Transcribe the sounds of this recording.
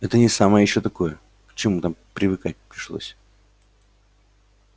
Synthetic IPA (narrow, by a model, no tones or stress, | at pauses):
ɛt̪ənʲɪsaməjəjɪɕːot̪ɐko̞jə | pə̥t͡ɕɪmut̪ampɾʲɪvɨkat̚ʲpɾʲɪʂlˠo̰sʲ